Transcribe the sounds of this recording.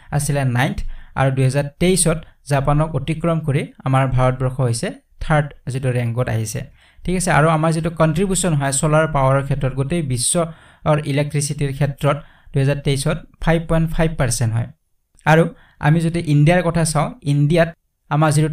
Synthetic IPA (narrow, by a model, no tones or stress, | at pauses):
a̰silɛnajntʰa̰ɹuduɦɛzaɹteisɔtzapanɔkotikɹɔmkoɹiamaɹbʱaɹɔt̚bɔɹkʰɔɦojsɛ | tʰaɹtzituɹɛŋɡɔta̰ɦisɛ̰ | tʰikasɛa̰ɹuamaɹzitukɔntɹibjusɔnɦɔjsɔlaɹpawaɹɔɹkʰɛtɹɔtɡotejbisːɔ | ʔilɛk̚tɹisitiɹkʰɛtɹɔt | d̥uɦɛzaɹteisɔtpʰajb̚pɔjntpʰajb̚paɹsɛntɦɔ̰j | aɹu | a̰mizodiʔindijaɹkɔtʰasãʊ̃indijat | amakzitu